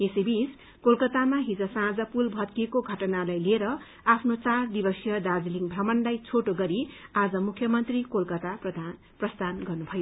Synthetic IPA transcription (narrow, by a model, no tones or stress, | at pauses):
esebis | kolkʌt̪amaɦid͡zʌsãd͡zʌpulbʱʌt̪̚kiekoɡʱʌʈʌnalajlieɾʌ | apʰnot͡sard̪ibʌsjʌd̪ad͡ziliŋbʱrʌmʌndajt͡sʰoʈoɡʌɾiad͡zʌmukʰjʌmʌnt̪rikolkʌt̪aprʌd̪ʱ | prʌst̪ʰanɡʌrnubʱʌjo